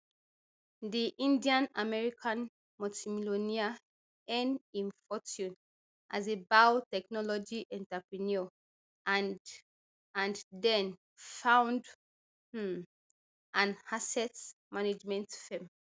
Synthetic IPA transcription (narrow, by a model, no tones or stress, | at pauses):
diʔĩndiãnamɛɹikʰãn | mɔtimilonia | ɛ̃nĩnfɔtũn | ʔazebawtɛknɔlɔd͡ʒiʔɛ̃ntapɹiniɔ | ʔa | ãndɛ̃n | fãʊ̃nd | ʔãnhasɛtmaned͡ʒmɛ̃ntfɛ̃m